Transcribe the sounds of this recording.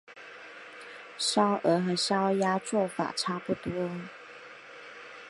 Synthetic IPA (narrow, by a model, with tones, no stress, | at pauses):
ʂɑ˥ʊʔə˧˥xə˧˥ɕjɑ˥ʊja˥t͡swɔ˥˩fa̰˨˩ʈ͡ʂʰa˥pu˥˧t̪wɔ˥